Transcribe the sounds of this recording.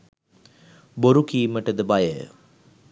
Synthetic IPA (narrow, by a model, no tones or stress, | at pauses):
boɾukiːməʈəd̪əbajə̰